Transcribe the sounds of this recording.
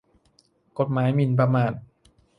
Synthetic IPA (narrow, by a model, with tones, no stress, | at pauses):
ko˧˩t̪̚maː˩˦˥jmi˧np̬ɾa˧maː˧˩n̚